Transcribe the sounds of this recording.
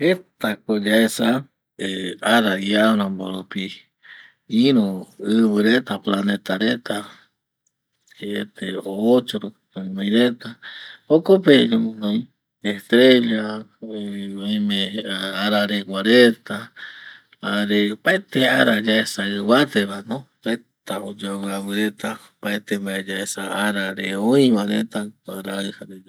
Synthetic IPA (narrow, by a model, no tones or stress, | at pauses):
het̪akod͡ʒaesa | eaɾaiaɾãmboɾopi | iɾoɨβɨɾet̪aplanet̪aɾet̪a | eet̪eoːt͡ʃoɾokt̪anãj̃ɾet̪aokopeɲomonõj̃ | eht̪ɾeʎa | oimeaɾaɾekʷaɾet̪a | aɾepaet̪eaɾad͡ʒaesaɨβat̪eβanõɾet̪aod͡ʒaβɨaβɨɾet̪a | paet̪eβaed͡ʒaesaaɾaɾeoĩβanet̪aaɾaɨhaɾe